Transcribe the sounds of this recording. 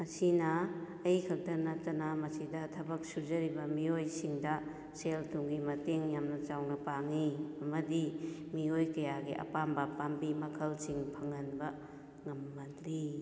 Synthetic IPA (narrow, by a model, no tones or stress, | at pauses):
mɐsinɐː | jkʰɐk̚tɐɾnɐtɐnɐmɐsidɐtʰɐbɐk̚sud͡ʒɐɾibɐmiojsiŋdɐ | seltuŋɡimɐteŋjamnɐt͡ʃawnɐpaŋiɐmɐdimiojkɐjaɡiʔɐ̰pambɐpambimɐkʰɐlsiŋpʰɐŋɐnbɐ | ŋɐmːɐdɾi